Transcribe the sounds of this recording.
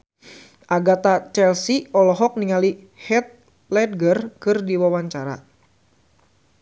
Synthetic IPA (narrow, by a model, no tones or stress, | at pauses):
ʔaɡat̪at͡ʃɛlsiɔlɔɦɔk̚niŋali | hɛt̪̚ | lɛd̪̚ɡərkɨrdiwawaɲt͡ʃaɾa̰